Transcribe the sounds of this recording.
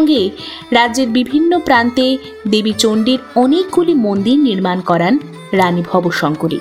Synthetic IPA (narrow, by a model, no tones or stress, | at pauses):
ŋɡe | ɾadːd͡ʑeɾbibʱinːopɾant̪e | d̪ebit͡ɕoɳɖiɾɔnekɡulimond̪iɾniɾmankɔɾan | ɾanibʱɔboʃɔŋkuɾḭ